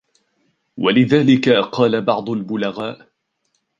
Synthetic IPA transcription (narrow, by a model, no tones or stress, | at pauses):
walɪðaːlɪkaqɑːlabɑʕd̪ˤʊlbʊlaɣaːʔ